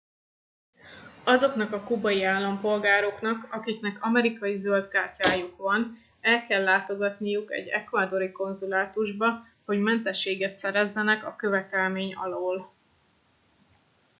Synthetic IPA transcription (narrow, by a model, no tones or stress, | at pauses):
ɒzo̞kn̪ɒkɒkubɒjiaːlːɒmpo̞lɡaːɾo̞knɒkɒkiknɛkɒmɛɾikɒjizø̞ld̪ɡaːrcaːjukʋɒn | ɛlkɛlːaːt̪o̞ɡɒt̪nijukɛ̰ɟːɛ̰kvaːd̪o̞ɾiko̞nzulaːt̪uʒbɒ | ho̞ɟmɛnt̪ɛʃːeːɡɛt̪sɛɾɛzːɛnɛkɒkø̞vɛt̪ɛlmeːɲɒ̰loːl